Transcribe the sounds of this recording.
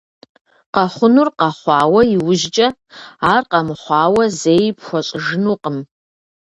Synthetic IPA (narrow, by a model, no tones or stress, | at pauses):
qɑχʷʊnurqɑχʷɑːwɐiwʊʒt͡ʃʼɐaːrqɑmχʷɑːwɐzeːjpʰxʷɔɕʼʐɨnuqʼəm